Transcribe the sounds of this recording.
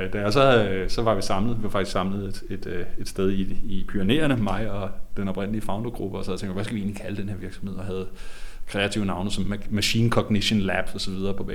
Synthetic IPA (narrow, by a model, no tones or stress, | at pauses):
d̥ææsɒsɒ̽ʋɑ̈ʋisɑ̈mləʋiʋɑfɡ̥issɑ̈mləð̩ˠe̝d̥e̝d̥e̝d̥sd̥eð̞ˠiːpʰyɐne̝̰ːɐnəmɑ̈ɪ̰ɒ̽d̥enɒ̽b̥ʁen̰əliəfɑ̈ʊndoɡ̥ʁub̥əɒsɒhæðˠt͡sʰeŋd̥mʋæsɡ̥æʋie̝ːnlikʰæləd̥enheɐʋiɐ̥sɒmhe̝ð̰ˠɒɦæð̞̩ˠkʰʁɛæt͡sʰiʊnɑ̈ʊnəsɒ̽mmæɕḭːnkʰɒ̽ɡ̥niɕənlæb̥sɒ̽sɒ̽ʋiðˠɐːpʰɒ̽bɛ̰